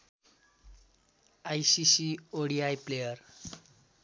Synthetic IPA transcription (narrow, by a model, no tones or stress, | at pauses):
ajsisioɽiajplejʌɾ